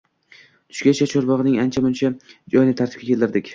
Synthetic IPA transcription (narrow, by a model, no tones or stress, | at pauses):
t̪ʰʊ̥ʃɡʲat͡ʃʰat͡ʃʰoɾbɒʁɨnɪŋant͡ʃʰamʊnt͡ʃʰad͡ʒɒjnɪt̪ʰaɾt̪ʰɪ̥pkʲakʲʰelt̪ɪɾd̪ɪkʲ